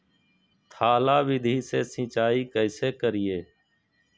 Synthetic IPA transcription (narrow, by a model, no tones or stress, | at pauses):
t̪ʰaːlaːʋɪd̪ʱiːseːsĩːt͡ʃaːiːkəɪseːkəɾɪjeː